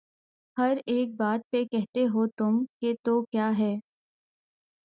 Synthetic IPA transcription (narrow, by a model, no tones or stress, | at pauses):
hɐɾeːk̚baːt̪̚pekɛɦt̪eɦoːt̪ʊmket̪oːkjaːɦɛː